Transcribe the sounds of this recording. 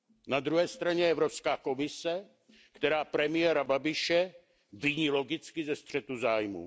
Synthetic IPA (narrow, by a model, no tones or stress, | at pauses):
nad̪ɾuɦɛːst̪ɾaɲɛɛvɾopskaːko̞mɪsɛ | kt̪ɛɾaːpɾɛmɪjɛɾababɪʃɛ | vɪɲiːlo̞ɡɪt͡skɪzɛst̪r̥ɛt̪uzaːjmṵː